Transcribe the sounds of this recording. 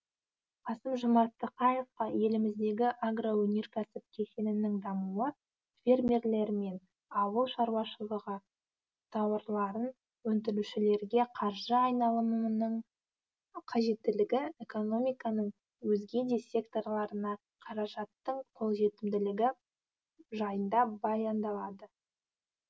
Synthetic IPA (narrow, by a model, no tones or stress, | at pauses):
qʰɑsəmʒʊmɑt̪ːəqɑje̞fqɑje̞lɪmɪzd̪e̞ɡʲɪʔaɡrowɵne̞ɾkʲʰæsɪp̚kʲʰe̞senɪnɪŋd̪ɑmulɑ | fʲe̞rmʲe̞rle̞ɾɪme̞n | ɑwəlˠʃɑɾwɑʃəlˠəʁɑ | t̪ʰɑwəɾlˠɑɾən | wɵnt̪̬ɪluʃɪle̞ɾɡʲe̞qʰɑɾʒəɑjnɑlˠəmnəɴ | qʰɑʒe̞t̪ːɪlɪɡʲɪe̞ko̞no̞mʲijkɑnəɴ | wɵzɡʲe̞d̪e̞sʲe̞kt̪o̞rlˠɑɾənɑ | qʰɑɾɑʒɑt̪ːəɴqʰo̞lˠʒe̞t̪ɪmd̪ɪlɪɡʲɪ | ʒɑjənd̪ɑbɑjɑnd̪ɑlˠɑd̪ə